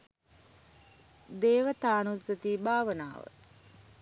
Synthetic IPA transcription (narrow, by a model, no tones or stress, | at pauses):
d̪eːʋət̪aːnusət̪iːbaːʋənaːʋə̰